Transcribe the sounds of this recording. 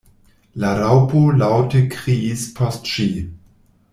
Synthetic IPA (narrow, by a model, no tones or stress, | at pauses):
laɾaʊpʰolaʊtəkʁispʰɔstʃiː